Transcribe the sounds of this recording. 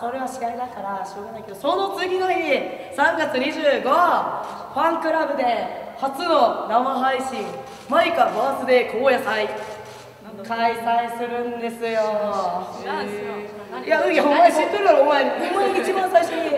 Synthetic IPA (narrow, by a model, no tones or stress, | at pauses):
so̞ɾe̞βaɕiɡaɾʲid̪akaɾaɕo̞ːɡanaike̞d̪oso̞not͡sɨɡʲinaɲʲi | sãŋɡat͡sɨɲ̟iʑɨːɡo | ɸãŋkɯ̟ɾabɯ̟d̪e̞hat͡sɨno̞namaɦaiɕĩŋ | maikamaːsɨd̪e̞kʰoːjasai | kaisaisɨɾɯ̟̃nd̪e̞sɨjo | jaɯomaiɕit̪ːɨɾɯoɾomaihõmːaɲiit͡ɕibãɰ̃saiɕoi